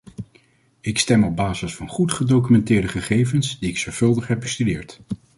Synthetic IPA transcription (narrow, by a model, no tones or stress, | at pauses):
ɪkstɛmɔb̚baːzəsfɑnχutχədowk̬ymɛntɪːɹdəχəχejvənsdiɪksɔɹv̥ɵlˠdəχɦɛb̚bəstydɪːɹt